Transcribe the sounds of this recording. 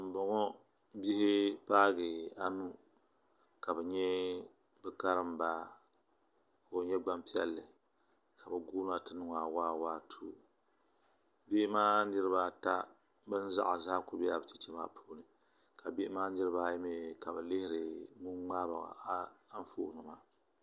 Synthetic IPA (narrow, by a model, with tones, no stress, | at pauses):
m̩˨bɔ˨ŋɔ˦ | bi˦hɪ˦paː˦ɡɨ˨a˨nu˦ | ka˨bɛ˨ɲɛ˦ | bɨ˦ka˦ɾɨ˦mba˦ | o˨˦ɲɛ˦ɡ͡ba˦mpi˦ɛ˦lːɨ˨ | ka˨bɛ˨ɡu˦n˦a˨tɨ˦nɨ˦ŋ˨a˨waː˦waː˦tʰu˦ | be˦maː˦nɨ˦ɾɨ˦ba˦ta˦ | bɨ˦n˦za̰˦ʔa˨zaː˦kʊ˦bɛ˦a˨bɨ˨t͡ʃɛ˦t͡ʃɛ˦ma̰ː˦pʰuː˦nɨ˨ | ka˨bi˦ʔmaː˦nɨ˦ɾɨ˦ba˦˨jɪ˦me˦ka˨bɛ˨lɪ˦hɪ˦ɾɨ˨mu˦ŋ͡maː˦ba̰˨ɣa̰˨˦n˦fo̰˦˨nɨ˨ma˦